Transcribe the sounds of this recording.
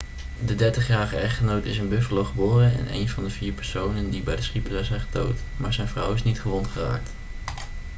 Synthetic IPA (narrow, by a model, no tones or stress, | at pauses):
dədɛɹtəχjaːɹχəɛχtχənowtɪsənbɵfəlowχəboːrənɛ̰nḛjnvɑndəviːɹpɛɹsownəndibɛjdəsχipəzɛzɛjχəto̰wtmaːɹzɛjnvrʌwɪsnitχəʋɔntχəra̰ːk̚t